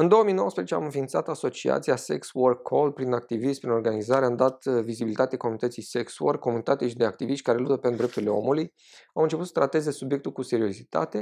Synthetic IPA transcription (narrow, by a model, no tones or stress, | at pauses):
ɨnd̪o̞wəmijno̞wəspɾeet͡ʃea̰mɨnfint̪sat̪aso̞t͡ʃia̰t̪siasḛksworkʰːo̞lpɾinak̚t̪iviʃt̪pɾino̞rɡanizaɾeamd̪at̪vizibilit̪at̪eako̞munit̪ət̪sijsekswo̰rkːo̞munit̪at̪eʃid̪e̞ak̚t̪iviʃt̪ʲkaɾe̞lut̪əpend̪ɾept̪urile̞o̞̰muluj | awɨnt͡ʃeput̪sə̥t̪ɾat̪e̞ze̞subje̞k̚t̪ulkuse̞ɾio̞zit̪a̰t̪e̞